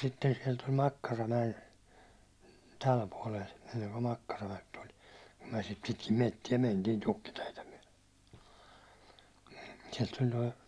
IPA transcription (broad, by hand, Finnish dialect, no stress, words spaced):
sitːen siɛl tul mɑkːɑrɑmæj̆en tæl puɒlel enːeŋko mɑkːɑrɑmæk tul kum myæ̹ sit pitkim metːie mentiːn tukːiteitæ myæ̹l̥e̥ siɛlt tulʲ toi